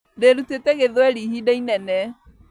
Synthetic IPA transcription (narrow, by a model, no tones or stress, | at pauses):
deɾuteteɣeðwɛɾihideinɛnɛ